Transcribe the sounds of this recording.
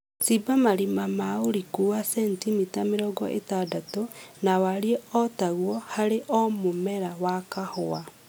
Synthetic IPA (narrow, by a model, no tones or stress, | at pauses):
tibamaɾimamaoɾikuwasɛntimitameɾɔɡɔ̰ʔḛtadatonawaɾieɔtaɣwɔhaɾeʔɔmomɛɾawakahɔa